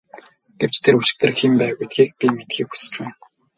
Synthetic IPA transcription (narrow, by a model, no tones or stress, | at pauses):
ɡ̥ew̥t͡ɕt̪ʰeruʃɪ̆k̚t̪ɘ̆rximpæːɣujt̪ɡiːk̚pʲimet̪xiːku̥sɘ̥̆t͡ɕwæːn